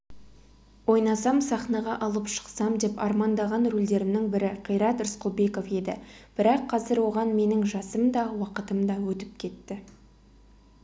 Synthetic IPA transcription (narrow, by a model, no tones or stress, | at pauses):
wo̞jnɑsɑmsɑχnɑʁɑʔɑlˠəpʃə̥qsɑmd̪e̞pɑ̰ɾmɑnd̪ɑʁɑnɾuld̪e̞ɾɪnɪŋbɪɾɪqʰəjɾɑt̪ɪɾsqobe̞ko̞fe̞d̪ɪb̥ɪɾɑqʰːɑzɪɾwo̞ʁɑnme̞nɪŋʒɑsəmd̪ɑwɑqət̪əmd̪ɑwɵt̪ɪp̚kʲʰe̞t̪ːɪ